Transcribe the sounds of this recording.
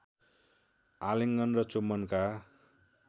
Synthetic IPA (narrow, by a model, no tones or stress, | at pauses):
aleŋɡʌnrʌt͡somʌnka